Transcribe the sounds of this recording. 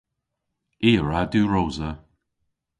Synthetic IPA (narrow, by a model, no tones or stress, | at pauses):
iːɹad̪uːɹoːzə